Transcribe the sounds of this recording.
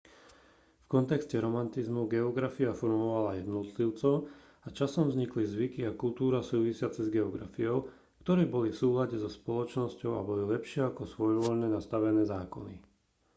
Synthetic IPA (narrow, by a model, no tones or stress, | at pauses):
fkɔnt̪ɛkscɛɾɔmant̪izmuɡɛɔɡɾafiafɔɾmɔʋalajɛd̪nɔt̪liʊt͡sɔʊ | at͡ʃasɔmvzɲiklizʋikiakult̪uːɾasuːʋisɪat͡sɛzɡɛɔɡɾa̰fiɔʊ | kt̪ɔɾɛːbɔlifsuːlaɟɛzɔspɔlɔt͡ʃnɔscɔʊa̰bɔlilɛpʃɪɛakɔsʋɔjʋɔʎnɛnast̪aʋɛnɛːzaːkɔni